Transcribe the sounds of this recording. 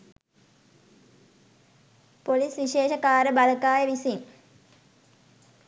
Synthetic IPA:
polisʋiʃeːʃɐkaːɾəbɐləkaːjəʋisiŋ

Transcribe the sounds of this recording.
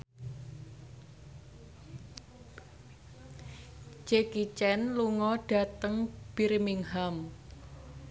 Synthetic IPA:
d͡ʒekit͡ʃɛnluŋɔɖ̥a̤t̪əŋb̥iɾimiŋɦam

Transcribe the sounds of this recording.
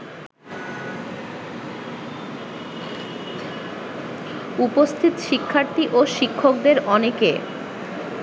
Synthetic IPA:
upost̪ʰit̪ʃikʰːaɾt̪iʔoʃikʰːokd̪eɾɔneke

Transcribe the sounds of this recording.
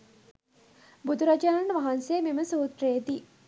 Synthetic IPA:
bud̪ʱuɾad͡ʒaːnanəʋaɦansejːmeməsuːt̪ɾejd̪i

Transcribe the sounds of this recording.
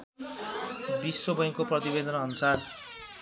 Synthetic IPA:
bisːobʌj̃koprʌt̪ibed̪ʌnʌnusar

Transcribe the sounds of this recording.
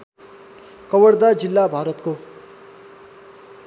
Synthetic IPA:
kʌwʌɽd̪ad͡zilːabʱaɾʌt̪ko

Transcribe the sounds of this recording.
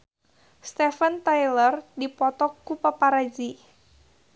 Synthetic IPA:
st̪ɛfənt̪ajlərdipɔt̪ɔkːupapaɾad͡ʒi

